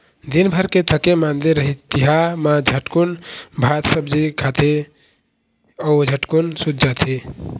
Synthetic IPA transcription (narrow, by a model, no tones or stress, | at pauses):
d̪inbʱəɾket̪ʰəkemand̪eɾəɦit̪iɦamãd͡ʒʱəʈkunbʱat̪səbd͡ʒikʰat̪ʰe | ɔd͡ʒʱəʈkunsut̪̚d͡ʒat̪ʰe